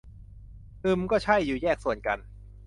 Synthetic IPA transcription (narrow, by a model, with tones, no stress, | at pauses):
ʔɯ˨˩mkɔː˥˩t͡ɕʰa˥˩jːuː˨˩jɛː˥˩k̚su˨˩ənka˧n